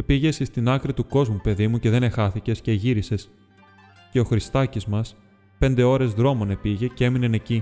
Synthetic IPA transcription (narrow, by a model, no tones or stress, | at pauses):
epiʝe̞sist̪inɐkɾit̪uko̞zmupe̞ðimuce̞ðe̞ne̞xɐθice̞sce̞ʝiɾise̞s | ce̞o̞xɾist̪ɐcizmɐs | pe̞nd̪e̞o̞ɾe̞zðɾo̞mo̞ne̞piʝe̞cee̞mine̞ne̞ci